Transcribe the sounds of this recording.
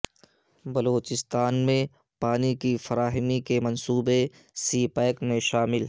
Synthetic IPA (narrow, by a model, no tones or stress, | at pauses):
bɐloːt͡ʃɪst̪aːnmẽ | paːnikifɐɾaːɦɪmikemɐ̃nsuːbe | siːpɛːkmẽʃaːmɪl